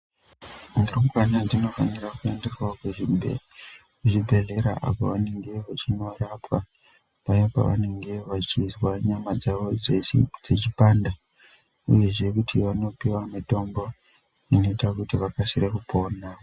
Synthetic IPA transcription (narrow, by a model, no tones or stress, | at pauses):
nirokwanad͡zino̞fanirakuendirwakwe | eʐibʱe̞ɮe̞ɾa̰ʔa̰po̰ʋane̞ŋɡe̞ʋat͡ʃino̞rapwa | pajapa̰ʋa̰ne̞ŋɡe̞ʋat͡ʃizwaɲamad͡zaʋod͡zed͡zet͡ʃipaːnda | ṵje̞ʐe̞kutʰiʋano̞piwamito̞mbo̞ | ino̞itakutiʋakasirekupʰo̞ːna